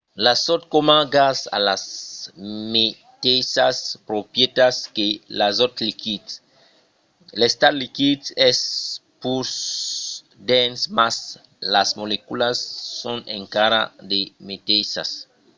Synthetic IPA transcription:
lasot̪̚komaɡasa̰las | me | t̪esaspɾopjet̪askelazot̪likit̪ | lest̪aɾlikit̪ɛspus | d̪ensmas | lasmolekulasːõnẽŋkaɾa̰d̪emet̪esa̰s

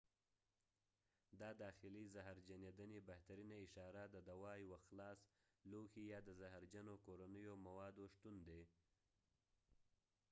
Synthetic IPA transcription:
d̪ɑd̪ɑxɪlizaɦaɾd͡ʒaned̪ənebaht̪aɾinaɪʃɑɾad̪əd̪awɑjwaxlɑs | loxijɑd̪əzaɦɾd͡ʒanokoɾanəjomawɑd̪oʃt̪und̪e

